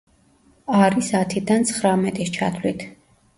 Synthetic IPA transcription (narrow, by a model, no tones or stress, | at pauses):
aɾisat̪ʰid̪ant̪sʰχɾamɛt̪ʼist͡ʃʰat̪ʰvlit̪ʰ